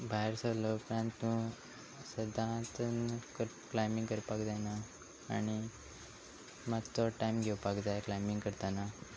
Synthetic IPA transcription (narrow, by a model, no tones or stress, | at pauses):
bʱaɦeɾsəlopɾãnt̪ːũ | səd̪ʱãt̪ənkəɾ | klajmĩŋɡkəɾpakd͡zana̰ː | ɽ̃i | mat̪ɔʈajmɡʱewpakd͡zajklajmiŋɡkəɾt̪ana